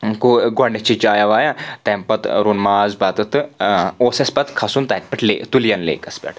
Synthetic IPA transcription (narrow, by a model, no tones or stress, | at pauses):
kuɡɐɳet͡ʃid͡ʒaːjaʋajat̪ẽmpɐt̪ɾunmaːzbaːt̪ɐt̪ɨosespɐt̪kʰasuːnt̪ɐk̚pɐʈʰlḛt̪uljɐnlḛːkɐspʲḛʈ